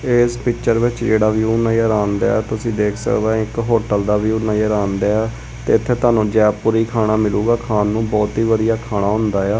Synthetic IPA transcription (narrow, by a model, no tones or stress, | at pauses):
eːspɪt͡ʃəɾʋɪt͡ʃd͡ʒeːɽaːʋjuːnaːjəɾaːnd̪a̰ːɛːt̪ʊsĩːd̪eːkʰsə̰kd̪ãːɪkɦoːʈəld̪aːʋjuːnaːjɾaːnd̪aːaː | t̪eːɪt̪ʰːeːt̪aːnũːd͡ʒɛːpʊːɾiːkʰaːɽaːmɪluːɡaːkʰaːnːũːbɔːt̪iːʋəd̪ɪjaːkʰaːɽ̃aːɦʊ̃nd̪aːjaː